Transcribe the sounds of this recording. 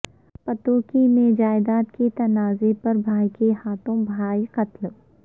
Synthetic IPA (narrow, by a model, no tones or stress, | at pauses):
pɐt̪oːkimẽd͡ʒaːɪd̪aːt̪ket̪ɐnaːzepɐɾbʱaːikehaːt̪õbʱaːiqɐt̪l